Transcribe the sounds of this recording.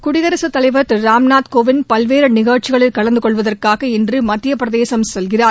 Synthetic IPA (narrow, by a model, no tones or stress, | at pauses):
kʊɽɪɣɐɾɐsɐt̪ːɐlɐɪʋɐɾt̪ɾaːmnaːt̪koːʋɪnpɐlʋeːɾɐnɪɣɐːʈ̚t͡ʃɪɣɐɭɪlkɐɭɐnd̪ɯkɔɭʋɐðɐrkaːɣɐɛndrɯmɐt̪ːɪjɐpɾɐðeːsɐmsɛlɣɪraːɾ